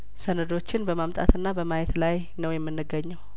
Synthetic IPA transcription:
sənəd̪o̞t͡ʃːɪnbəmamt̪ʼa̰t̪ɨnːabəmajɛt̪laj | nəwjɛmːɨnːɨɡəɲːɛw

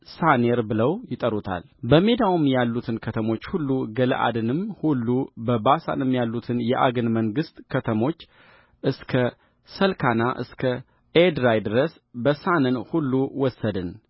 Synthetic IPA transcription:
saneɾbɨləwjɪt̪ʼəɾut̪ʰa̰l | bəme̞d̪awumjalːut̪ʰɨnkʰət̪ʰəmo̞t͡ʃːhulːuɡələ̰ʔa̰d̪ɨnɨmhulːubəbasa̰nɨmjalːut̪ʰɨnjɛʔa̰ɡɨnməŋɡɨst̪ʼkʰət̪ʰəmo̞t͡ʃː | ʔɨskʰə | səlkʰanaʔɨ̰skʰə | ed̪ɾajd̪ɨɾəs | bəsanɨnhulːuwɔsːəd̪ɨn

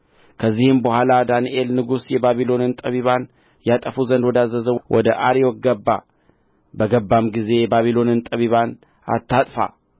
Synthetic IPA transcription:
kʰəzːihɨmbəhʷalad̪aniʔelnɨɡusjɛbaβilo̞nɨnt̪ʼəβiβan | jat̪ʼəfuzənd̪wɔd̪azːəzəwʔɔ̰d̪əʔaɾijoɡəbːa | bəɡəbːamɡize̞baβilo̞nɨnt̪ʼəβiβan | a̰t̪ʰːat̪ʼfa̰

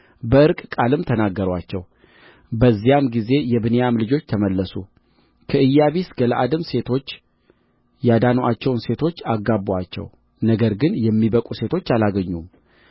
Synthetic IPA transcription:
bəʔɨɾkʼkʼalɨmt̪ʰənaɡːəɾwat͡ʃːɛ̰w | bəzːijamɡize̞jɛβɨnejamlɨd͡ʒo̞t͡ʃːt̪ʰəməlːəsu | kʰəʔɨjːaβisɡələʔad̪ɨmse̞t̪ʰo̞t͡ʃː | jad̪anʔat͡ʃːɛwnse̞t̪ʰo̞t͡ʃːaɡːabat͡ʃːɛ̰w | nəɡəɾɡɨnjɛmːibəkʼuse̞t̪ʰo̞t͡ʃːalaɡəɲːum

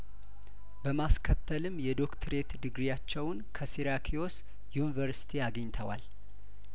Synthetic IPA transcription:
bəmaskʰət̪ʰːəlɨmjɛd̪o̞kt̪ʰəɾe̞t̪d̪ɨɡɾijat͡ʃːɛwnkʰəsiɾakʰijo̞s | junivəɾsi̥t̪ʰiaɡəɲt̪ʰəwa̰l

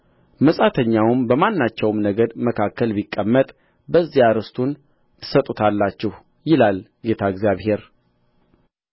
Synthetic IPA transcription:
məsʼat̪ʰəɲːawmbəmanːat͡ʃːɛwmnəɡəd̪məkʰakʰːəlbikʼːəmːət̪ʼ | bəzːijaɾɨst̪ʰun | t̪ʰɨ̥sət̪ʼːut̪ʰalːat͡ʃːɛh | jɪlal | ɡe̞t̪ʰaɪɡzjaβhe̞ɾ

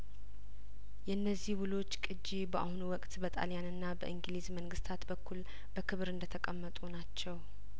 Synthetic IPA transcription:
jɛɨnːəzːihwulo̞t͡ʃːkʼɨd͡ʒibəʔa̰hunuwɔkʼt̪bət̪ʼa̰ljanɨnːabəʔɨŋɡlizməŋɡɨst̪ʰat̪bəkːul | bəkʰɨβɾɨnd̪ət̪ʰəkʼəmːət̪ʼunat͡ʃːɛw

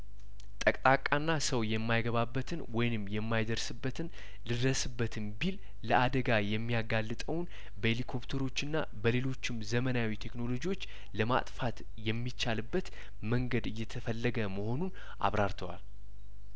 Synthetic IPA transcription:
t̪ʼəkʼt̪ʼakʼanːasəwjɛmːajɡəβabːət̪ʰɨnwɔjɪnɨmːjɛmːajd̪əɾsɨbːət̪ʰɨn | lɨd̪əsɨbːət̪ʰɨnbil | ləʔad̪əɡajɛmːijaɡalːɨt̪ʼəwn | bəelikʰo̞pt̪ʰəɾo̞t͡ʃːɨnːa̰ | bəle̞lo̞t͡ʃːɪmzəmənawit̪ʰe̞kno̞lo̞d͡ʒiwo̞t͡ʃː | ləma̰t̪ʼfat̪ | jɛmːit͡ʃːalɨbːət̪ | məŋɡəd̪ɨjːɛt̪ʰəfəlːəɡəməho̞nun | ʔa̰βɾaɾt̪ʰəwa̰l

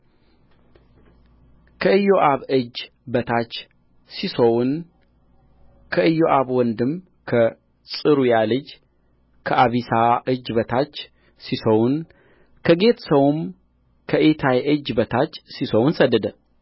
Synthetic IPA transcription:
kʰəɨjoʔaβɨd͡ʒ | bət̪ʰat͡ʃ | sisown | kʰəɨjːoʔaβwɔnd̪ɨm | kʰə | sʼɨɾujalɨd͡ʒ | kʰəʔaβisaʔɨd͡ʒbət̪ʰat͡ʃː | sisəwn | kʰəɡe̞t̪səwm | kʰəʔet̪ʰajʔɨd͡ʒbət̪ʰat͡ʃːsisəwnsəd̪ːəd̪ə

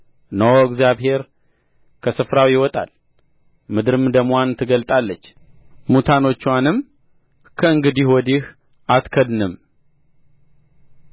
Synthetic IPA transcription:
nəwəɡzjaβhe̞ɾ | kʰəsɨfɾawijɪwɔt̪ʼa̰l | mɨd̪ɨɾɨmd̪əmant̪ʰɨɡəlt̪ʼalːət͡ʃː | mut̪ʰano̞t͡ʃːwanɨm | kʰəɨŋɡɨd̪iwɔd̪ih | ʔat̪kʰəd̪nɨm

